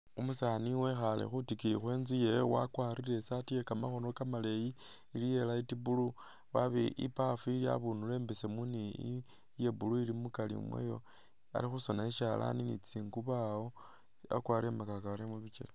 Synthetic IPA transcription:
umusaːniwe̞xalḛxutikiixwe̞ːnzijejowa̰kwaːɾiɾe̞satijekamaxo̞no̞kamaleji | ilije̞laitibulu | waβeʔḭpafuilia̰βunule̞ːmbese̞muni | je̞buluilimukalḭmwḛjo̞̰ | a̰lixuso̞naiʃala̰ninḭt͡siːŋɡuβao | a̰kwaɾiemakakaaɾemuβit͡ʃḛle

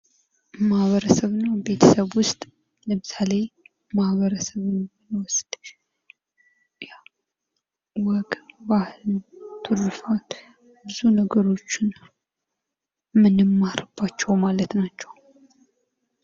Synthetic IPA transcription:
mahβəɾəsəβɨnːabe̞t̪ʰə̥səβwʊst̪ʼ | ləmɨsale̞ | mahβəɾəsəβɨnɔnəwʊst̪ʼ | ja | wɔɡbahɨlnt̪ʰɨrɨfal | bɨzunəɡəɾo̞t͡ʃːɪn | mɨnɨmːaɾɨb̥ːat͡ʃːɛwmalət̪nat͡ʃːɛw

